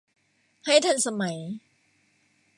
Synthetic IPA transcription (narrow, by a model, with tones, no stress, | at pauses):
ha˥˩jt̪ʰa˥˩nsa˧ma˩˦j